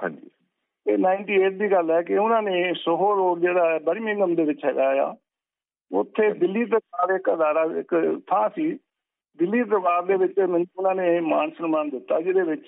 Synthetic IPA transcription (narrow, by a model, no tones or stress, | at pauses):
ɦã̰ːd͡ʒi | eːnaːɪɳʈiːeːʈ̚d̪iːɡəlɛːkɪʊnãːnẽːsʊɦoːɾoːɾd͡ʒeːɽaːɛːbəɾiːmɪ̃ŋɡəmd̪eːʋɪt͡ʃɦɛːɡaːja̰ː | ʊ̰t̪ʰːeːd̪ɪlːiːd̪əɾaːɾɪkəd̪aːɾaːɪ̰kt̪ʰãːsiː | d̪ɪlːiːd̪əɾbaːɾd̪eːʋɪt͡ʃmɛnʊnãːnemaːnsənmaːnd̪ɪt̪ːaːd͡ʒɪd̪eːʋɪt͡ʃ